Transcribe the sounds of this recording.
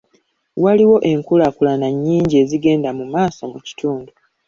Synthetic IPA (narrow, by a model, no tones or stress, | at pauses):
waliwo̞ʔe̞ŋkulakulanaɲːiːɲɟie̞ziɡe̞ːndamumaːso̞muci̥tʰuːndu